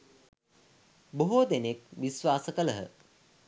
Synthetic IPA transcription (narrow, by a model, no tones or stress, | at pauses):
boɦod̪enek̚ʋisʋaːsəkələɦə̰